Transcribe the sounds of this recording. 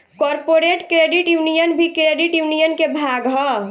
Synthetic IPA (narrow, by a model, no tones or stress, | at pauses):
kɔːɾpoɾeʈkɾeːɖiʈjunijənbʱikɾeːɖiʈjunijənkebʱaːɡɦɔ